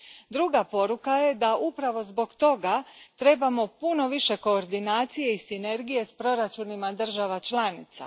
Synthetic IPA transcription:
d̪ɾuɡapo̞ɾukaje̞d̪aʔupɾaʋo̞zbo̞ɡt̪o̞ɡat̪ɾe̞bamo̞puno̞ʋiʃe̞ko̞ːɾd̪inaːt̪sije̞isine̞ɾɡije̞spɾo̞ɾat͡ʃunimad̪r̩ʒaʋat͡ʃlanit̪sa̰

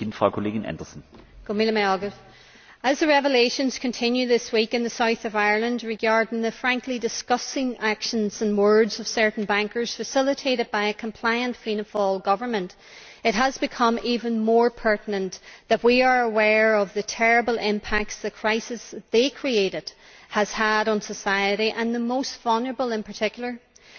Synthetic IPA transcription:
ɪnfʁ̥aʊkʰoleːɡɪnʔɛ̰ndəsn̩ɡ̥omilˠəmaɪɔɡɨθ | əzðɨɹɛvəleɪʃɨ̃nz̥kʰɨ̃ntʰɪ̃njʉðɪswikɨ̃nðɨsaʊθʌvaɪə˞lˠə̃ndɹɨɡaɹdɪ̃ŋðɨfɹæ̃ŋklidɨskʌsɪ̃ŋakʃə̃nzə̃nwɜ˞dzʌv̥sɜ˞ʔn̩bæ̃ŋkə˞z̥fɨsɪlˠətʰeɾɨd̚baɪɨkʰə̃m̩pʰl̥aɪə̃ntfĩnəfɔlˠɡʌvə˞mə̃nt | ɨt̚ɦəzbɨkʰʌ̃mivə̃nmɔɹpʰɜ˞ʔn̩ə̃nðət̚wiə˞əwɛɹʌvðɨtʰɛɹɨbəl̩ˠʔɪ̃mpʰak̚tsðɨkʰɹ̥aɪsɨsðekʰɹ̥ieɪɾɨd̥̚ | həz̥əɾn̩səsaɪɨɾiʔə̃nðəmoʊstv̥ʌlˠnə˞əbəlˠɪ̃npʰə˞tʰɪkjl̩ˠə˞

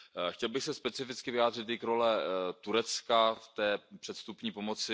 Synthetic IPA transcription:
xcɛlbɪxsɛspɛt͡sɪfɪt͡skɪvɪjaːd̪r̝ɪt̪ɪkɾolɛt̪uɾɛt͡skaft̪ɛːpr̝̥ɛt̪st̪upɲiːpo̞mot͡sɪ

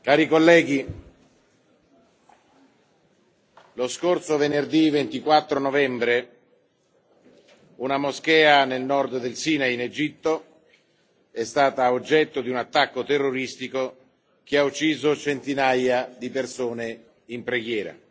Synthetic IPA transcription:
kaːɾikolːɛːɡi | loskorsovenerd̪ivent̪ikwat̪ːɾonovɛmbɾe | unamosk̟ɛːanelnɔrd̪d̪elsiːnained͡ʒit̪ːo | ɛst̪aːt̪aod͡ʒːɛt̪ːod̪iunat̪ːakːot̪erːoɾist̪iko | k̟eaut͡ʃːiːzot͡ʃent̪inajad̪ipersoːne | impɾeɡjɛːɾa̰

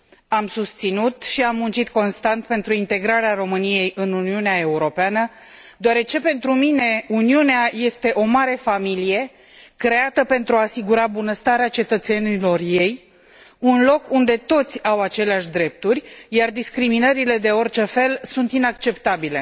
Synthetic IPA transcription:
amsust̪sinut̪ʃiamːunt͡ʃit̪ko̞nst̪ant̪pe̞nt̪ɾuint̪e̞ɡɾaɾeaɾo̞mɨnije̞jʔɨnuniuneae̞uɾo̞peanə | d̪oaɾe̞t͡ʃe̞pe̞nt̪ɾumine̞uniuneaje̞st̪e̞ʔo̞maɾe̞familije̞ | kɾe̞at̪əpe̞nt̪ɾuaːsiɡuɾabunəst̪aɾeat͡ʃe̞t̪ət̪se̞nilo̞rje̞j | unlo̞kund̪e̞t̪o̞t̪sʲawat͡ʃe̞leaʃd̪ɾe̞p̚t̪urʲjard̪iskɾiminəɾile̞d̪e̞o̞rt͡ʃe̞fe̞lsunt̪inakt͡ʃe̞pt̪abile̞̰

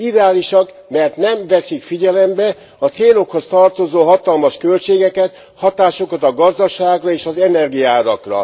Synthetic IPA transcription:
id̪ɛaːliʃɒk | mɛrt̪nɛɱvɛsikfiɟɛlɛmbɛ | ɒt̪seːlo̞kho̞st̪ɒrt̪o̞zoːɦɒt̪ɒlmɒʃkø̞lt͡ʃeːɡɛkɛt̪ | hɒt̪aːʃo̞kɒt̪ɒɡɒzd̪ɒʃaːɡrɒeːʃɒzɛnɛrɡijaːɾɒkrɒ̰

